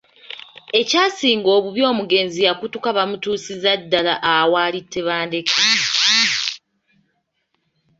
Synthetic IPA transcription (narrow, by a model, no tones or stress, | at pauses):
e̞caːsiːŋɡo̞ːβuβjo̞ːmuɡe̞ːnzijakutukaβamutuːsizadːalaʔawaːlitʰːe̞βaːnde̞kʰe